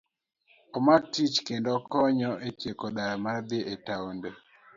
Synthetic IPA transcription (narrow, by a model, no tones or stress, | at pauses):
ɔmak̚tit͡ʃkendɔkɔɲɔʔetjekoɗaɾmaɾd̪ɪʔetaonde